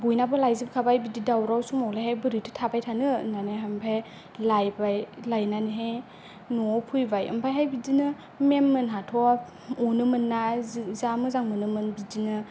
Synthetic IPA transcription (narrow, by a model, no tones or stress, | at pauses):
bujnabɯlajzibkʰabajbididawɾawsumɔwlahajbɯɾitʰɯ̥tʰabajtʰanɯnanaɦampʰaj | lajbajlajnaniɦe | nɔpʰujbajɯ̰mpʰajɦajbidinɯ | memːɯnɦatʰɔa | ɔnɯmɯnːazamɯzaŋmɯnɯmɯnbidinɯ